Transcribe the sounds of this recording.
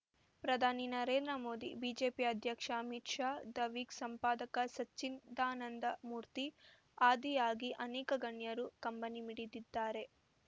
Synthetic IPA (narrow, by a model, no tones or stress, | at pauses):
pɾɐd̪ʱaːninɐɾeːnd̪ɾɐmo̞ːd̪ḭbiːd͡ʒe̞ːpiɐd̪ʱjɐkʂɐɐmitʂaːd̪ɐʋiːksɐmpaːd̪ɐkɐsɐt͡ʃːind̪aːnɐnd̪ɐmuːɾt̪i | aːd̪ijaːɡiʔɐnɛːkɐɡɐɳjɐɾukɐmpɐnimiɽid̪id̪ːaːɾe̞